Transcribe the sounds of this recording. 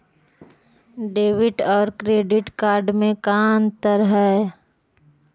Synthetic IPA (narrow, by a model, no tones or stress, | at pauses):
ɖeːʋɪʈɔːɾkɾeːɖɪʈkaːɾɖmẽkaːnt̪əɾɦɛː